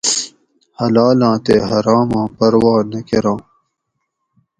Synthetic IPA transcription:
hɐlaːlãːt̪eːɦɐɾaːmãːpɐɾwɑːnɐkeɾɑ̃ː

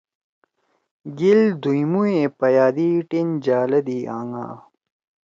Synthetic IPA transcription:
ɡild̪ujmuepɐjaːd̪iʈind͡ʑaːlɐd̪iaːŋa̰ː

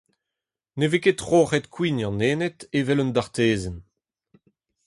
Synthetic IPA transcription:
neveketʁoːʁɛt̪kʰwinɑ̃neːnet̪evɛlɔnd̪aʁt̪eːzɛn

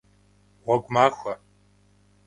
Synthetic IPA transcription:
ʁʷɔɡʷmaːxʷɐ

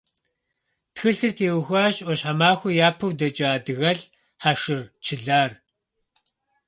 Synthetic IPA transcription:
txɨɬɨrtʰeːwxʷaːɕɔɕħamaːxʷʊjaːpʰɨwdɐt͡ʃʼaːdɨɣɐɮ | ħaʂɨrt͡ʃʰɪɮaːr

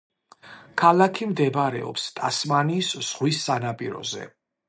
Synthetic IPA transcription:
kʰalakʰimd̪ɛbɾɛ̰ɔ̰pst̪ʼasmaniːsz̥ʁwisːanapʼiɾɔ̰zɛ̰

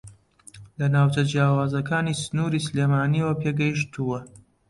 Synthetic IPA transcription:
lɐnaːwt͡ʃɐd͡ʒjaːwaːzɐkaːniːsɨnuɾiːsleːmaːniːwɐpʰeɡɐjiʃt̪ʰuwɐ

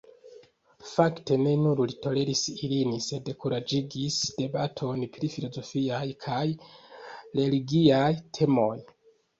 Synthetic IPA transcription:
fakte̞ne̞nuɾlito̞le̞ɾisilinise̞dekuɾad͡ʒiɡisd̥e̞batʰo̞npɾifilo̞zo̞fiajkʰaj | ɾe̞liɡiajtʰe̞mo̞j

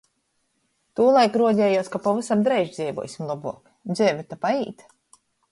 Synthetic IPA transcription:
t̪uːlˠajkɾuɔɟʲɛːjuɔskapɔvɨsamd̪ɾɛjʒd̪zʲɛːjvṵɔ̰ːsʲimlˠabuɔk | d̪zʲɛːvʲɛt̪apaiːt̪

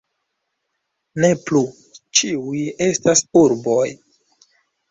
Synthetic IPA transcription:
ne̞plu | t͡ʃiuje̞stasuɾbo̞j

